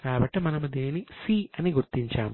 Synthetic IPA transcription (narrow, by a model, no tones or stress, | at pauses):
kaːbɐʈːimɐnɐmud̪iːninisiːɐniɡuɾt̪iɲt͡ʃaːmu